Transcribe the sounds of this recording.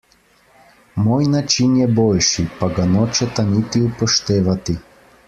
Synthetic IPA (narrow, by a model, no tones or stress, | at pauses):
mojnat͡ʃinjɛboʎʲʃipaɡanot͡ʃɛt̪anit̪iupɔʃt̪ɛːʋat̪i